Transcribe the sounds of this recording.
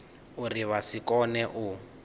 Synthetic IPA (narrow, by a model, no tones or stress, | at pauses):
uriβasikɔnɛʔu